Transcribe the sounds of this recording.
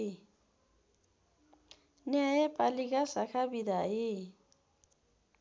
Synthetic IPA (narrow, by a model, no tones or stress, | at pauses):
nɛajɛpʼalik̬ʼasakʰabidaɪ